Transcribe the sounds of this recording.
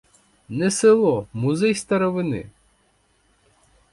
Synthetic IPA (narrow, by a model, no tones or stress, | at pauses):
nɛsɪlˠɔmʊzɛjst̪ɐɾɔʋɪnɪ̰